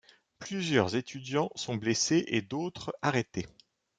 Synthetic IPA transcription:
plyzjœʁzet̪yd̪jɑ̃sɔ̃bleseʔed̪ot̪χaʁet̪e

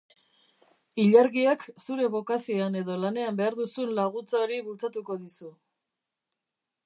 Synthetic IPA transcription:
iʎaɾɣieksuɾe̞βo̞kasioane̞ðo̞lane̞ambe̞aɾðusunlaɣut͡saoɾiβult͡sat̪uko̞ðisu

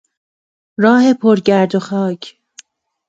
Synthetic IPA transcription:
ɾɒːhe̞pʰoɾɟæɾd̪oxɒːcʰ

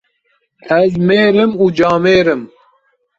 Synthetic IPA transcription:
æzmeːɾɨmuːd͡ʒɑːmeːɾɨm

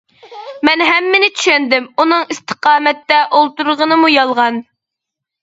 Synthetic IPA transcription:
mɛnɦɛmːɪnɪt͡ʃʰy̥ʃɛnd̪ɪmunɨŋist̪ʰə̥qɑːmɛt̪ːɛʔolˠt̪uɾʁənɨmujɑlˠʁɑn

